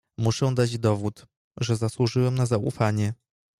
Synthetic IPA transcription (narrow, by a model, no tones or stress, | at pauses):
muʂɛw̃d̪ad͡ʑd̪ɔvut̪ | ʐɛzaswuʐɘwɛmnazaṵfaɲɛ